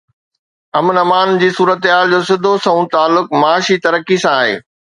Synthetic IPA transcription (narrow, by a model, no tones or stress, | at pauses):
ɐmnɐmaːnd͡ʑiːsuːɾət̪ɦaːld͡ʑoːsɪd̪ʱosɐ̃ũt̪aːlːʊkmaːʃit̪ɐɾəkisãːɦḛː